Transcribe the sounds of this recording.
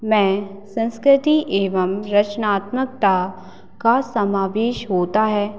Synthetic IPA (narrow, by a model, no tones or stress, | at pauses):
mɛ̃ːsə̃nskɾɪt̪iʔeːʋəmɾɐt͡ʃnaːt̪mək̚t̪a | kasɐmaːʋeːʃɦoːt̪aɦɛː